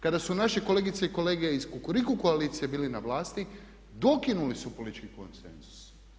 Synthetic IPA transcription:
kad̪asunaʃe̞ko̞leɡit̪seiko̞le̞ːɡe̞iskukuɾikuko̞aliːt̪sijebiːlinaʋlaːst̪i | d̪o̞kinulisupolit̪t͡ʃkiko̰nsḛnzu̥s

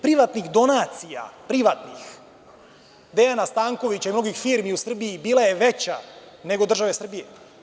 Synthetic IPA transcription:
pɾiʋat̪nixd̪o̞naːt̪sija̰pɾiʋat̪nix | d̪e̞janast̪aːŋko̞ʋit͡ɕaimno̞ɡixfiːɾmiusr̩biːbiːlˠaje̞ʋe̞t͡ɕa̰ | ne̞ɡo̞d̪r̩ʒaʋe̞sr̩bije

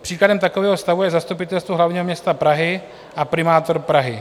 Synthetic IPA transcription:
pr̝̥iːkladɛmt̪akovɛːɦost̪avujɛzast̪upɪt̪ɛlst̪vuɦlavɲiːɦomɲɛst̪apɾaɦɪ | ʔapɾɪmaːt̪oɾpɾaɦɪ

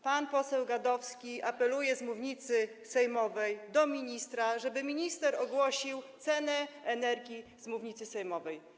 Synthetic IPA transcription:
panpɔsɛwɡad̪ɔfskʲiʔapɛlujɛzmuvɲit̪sɘ | sɛjmɔvɛjd̪ɔmʲiɲist̪ɾaʐɛbɘmʲiɲist̪ɛɾɔɡwɔɕiwt̪sɛnɛɛnɛɾɡʲizmuvɲit̪sɘsɛjmɔvɛj

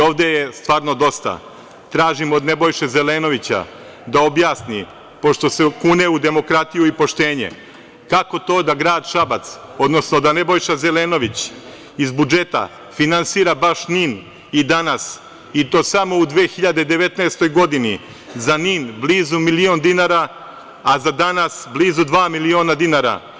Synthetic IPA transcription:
o̞ːʋd̪ejest̪ʋaːɾno̞d̪o̞st̪a̰ | t̪ɾaːʒimo̞d̪ne̞bojʃezeleːno̞ʋit͡ɕa̰ | d̪aobjaːsni | po̞ʃt̪o̞sekuneud̪e̞mo̞kɾat̪ijuipo̞ʃt̪e̞ːɲḛ | kako̞t̪o̞ːd̪aɡɾaːd̪ʃabat̪so̞d̪no̞sno̞d̪anebo̞jʃazeleːno̞ʋit͡ɕ | izbud͡ʒe̞t̪a̰ | finansiːɾabaʃnin | id̪anas | it̪o̞ːsamo̞ud̪ʋeːxiʎad̪ed̪e̞ʋe̞t̪naːst̪o̞jɡo̞d̪ini | zaniːnbliːzumilio̞nd̪inaːɾaː | zad̪anasbliːzud̪ʋaːmilio̞ːnad̪inaːɾa̰

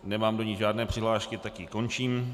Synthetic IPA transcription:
nɛmaːmdo̞ɲɪʒaːdnɛːpr̥ɪɦlaːʃkɪt̪akjɪko̞nt͡ʃiːm

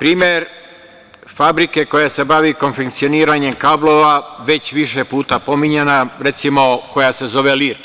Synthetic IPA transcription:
pɾiːmeɾ | fabɾike̞ko̞jase̞baʋiko̞nfekt̪sioniːɾaɲe̞mkaːblˠo̞ʋaʋe̞t͡ɕʋiʃe̞puːt̪apo̞miɲenaɾe̞t̪simo̞ko̞jase̞zo̞ʋe̞liɾ

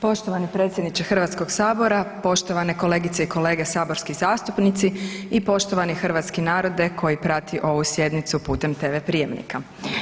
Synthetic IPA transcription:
po̞ʃt̪oʋanipɾet̪sʲjed̪nit͡ʃexr̩ʋat̪sko̞ɡsaːbo̞ɾapo̞ʃt̪oʋane̞kole̞ːɡit̪seikʰo̞le̞ːɡesaːbo̞ɾskizaːst̪upnit̪siipo̞ʃt̪o̞ʋanixr̩ʋaːt̪skinaːɾo̞d̪e̞kʰo̞jipɾat̪ʰiʔo̞ʋusje̞d̪nit̪supuːt̪e̞mt̪eʋepɾije̞mnḭka

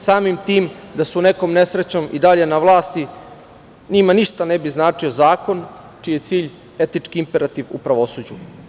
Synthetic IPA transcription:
saːmimt̪iːmd̪asune̞ko̞ːmne̞sɾet͡ɕo̞mid̪aʎe̞naʋlˠaːst̪i | ɲimaniʂt̪ane̞biznaːt͡ʂio̞zaːko̞n | t͡ʂijet̪siːʎ | e̞t̪nit͡ʂkiimpeɾat̪iʋṵpɾaʋo̞sud͡ʑu

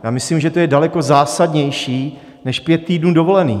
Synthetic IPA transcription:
jaːmɪslimʒɛt̪ojɛdalɛko̞zaːsadɲɛjʃiː | nɛʃpjɛt̪̚ːiːdnuːdovo̞lɛniː

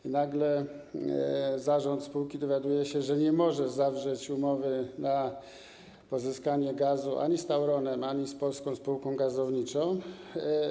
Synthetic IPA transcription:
inaɡlɛ | zaʐɔnt̪spuwkʲid̪ɔvʲjad̪ujɛɕɛʐɛɲɛmɔʐɛzavʐɛt͡ɕumɔvɘna | pɔzɘskaɲɛɡazuʔa̰ɲist̪awɾɔnɛmaɲispɔlskɔ̃w̃spuwkɔ̃w̃ɡazɔvɲit͡ʂɔ̃w̃

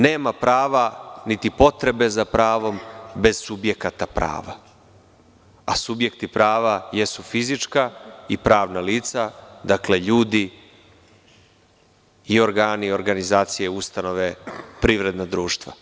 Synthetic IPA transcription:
ne̞ːmapɾaːʋanit̪ipo̞t̪ɾe̞be̞zapɾaːʋo̞mbe̞zsubje̞kat̪apɾa̰ːʋa̰ | a̰subje̞kt̪ipɾaːʋajesufizit͡ʃkaipɾaːʋnaliːt̪sad̪akle̞ʎuːd̪i | o̞ɾɡaːnio̞ɾɡanizaːt̪sije̞ust̪ano̞ʋe̞pɾiʋɾe̞d̪nad̪ɾuːʃt̪ʋa̰

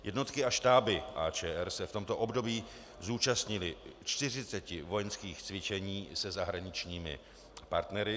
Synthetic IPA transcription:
jʔɛdno̞t̪kɪaʃt̪aːbɪʔaːt͡ʃɛːʔɛɾsɛft̪o̞mt̪o̞ʔo̞bdo̞biː | zuːt͡ʃast̪ɲɪlɪt͡ʃt̪ɪr̝ɪt͡sɛcɪvo̞jɛnskiːxt͡svɪt͡ʃɛɲiːsɛzaɦɾaɲɪt͡ʃɲiːmɪ̰ | pa̰ɾt̪nɛɾɪ

